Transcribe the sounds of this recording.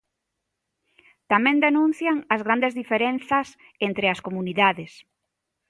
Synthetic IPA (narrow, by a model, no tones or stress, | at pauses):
t̪amɛ̃nd̪enũn̟θjaŋɐzɣɾand̪ezðifeɾenθɐs | ent̪ɾeɐskomuniðaðɪs